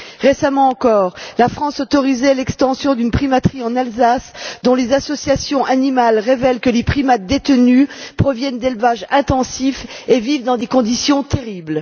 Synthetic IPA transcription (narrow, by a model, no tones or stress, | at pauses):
ʁesamɑ̃ːkɔʁlafχɑ̃sɔt̪ɔʁizɛlɛkst̪ɑ̃sjɔ̃d̪ynpχimat̪χiɑ̃nalzasd̪ɔ̃lezasɔsjasjɔ̃ʔanimalʁevɛlkəlepχimat̪̚d̪et̪nypχɔvjɛnd̪elvaʒɛ̃t̪ɑ̃sifevivd̪ɑ̃d̪ekɔ̃d̪isjɔ̃t̪eʁibl